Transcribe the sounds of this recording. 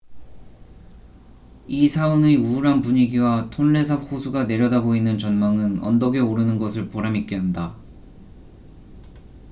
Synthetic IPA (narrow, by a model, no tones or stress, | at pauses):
isʰaɯneuɾɦanpuɲiɡiwatʰonːe̞s̬ʰap̚hosʰuɡane̞ɾjʌdaboinɯnt͡ɕʌnmaŋɯnʌ̰ndʌɡe̞oɾɯnɯnɡʌsʰɯɭpoɾamik͈eɦanda